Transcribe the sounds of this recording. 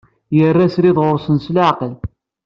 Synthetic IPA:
jərːæsɾiðˤʁʊɾˤsənslaʕqəl

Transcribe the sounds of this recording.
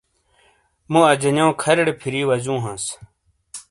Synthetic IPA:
mũɐd͡ʑɐnjõːkʰɐɾɽepʰiɾiːwɐd͡ʑũːɦãːs

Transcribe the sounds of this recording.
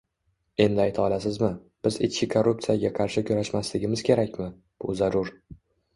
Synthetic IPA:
e̞nd̪ɪajt̪ʰɪɒlasɪzmɪ | b̥ɪzɪ̰t͡ʃkʲɪkʰorːup̚t̪sɨjaɡʲaqʰɑɾʃɪkʰʲɵɾaʃmaslɪɡʲɪmɪz̥kʲʰe̞ɾakʲmɪ | b̥ʊzaɾʊɾ

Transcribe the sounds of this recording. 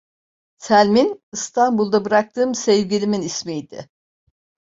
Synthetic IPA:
sælʲminist̪ʰanbulˠd̪abɯɾak̚t̪ʰɯːmsɛvɟilʲiminismijd̪̥ɪ̰

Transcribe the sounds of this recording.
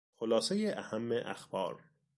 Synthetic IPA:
xolɒːsejeʔæhæmːeʔæ̰xb̥ɒ̰ːɾ

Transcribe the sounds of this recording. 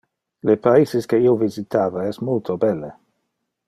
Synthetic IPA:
lepaizeskeiːovizit̪ʰaːvaɛsmult̪ʰobɛlːe

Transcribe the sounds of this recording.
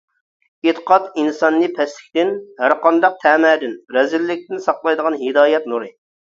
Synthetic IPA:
et̪ʰə̥qʰɑt̪insɑnːɨpʰɛslɪ̥kʲt̪ɪnhæɾqʰɑnd̪ɑq̚t̪ʰɛːmɛːd̪ɪnɾɛzɪlːɪk̚ʲt̪ɪnsɑqlˠɑjd̪əʁɑnɦɪd̪ɑːjɛt̪̚nuɾɨ

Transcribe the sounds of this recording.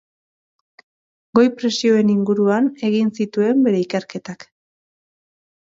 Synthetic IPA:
ɡo̞jpɾe̞sio̞e̞niŋɡuɾuane̞ɣinsit̪ue̞mbe̞ɾe̞ike̞ɾke̞t̪ak

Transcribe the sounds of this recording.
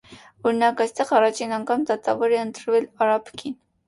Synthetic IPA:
ɔɾinɑkɑjst̪ɛʁɑrɑt͡ʃʰinɑŋkʰɑmd̪ɑt̪ɑvɔɾɛənt̪ɾvɛlɑɾɑpʰkʰin

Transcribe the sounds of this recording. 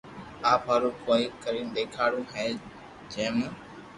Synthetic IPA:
aːpaːɾũːkoːiːkəɾiːnɗ̪eːkʰaːɽũːɦẽː | d͡ʒẽːm

